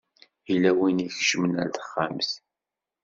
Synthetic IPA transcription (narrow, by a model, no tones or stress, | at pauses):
ilæwiniçʃəmənæ̰ɾθə̥χːamθ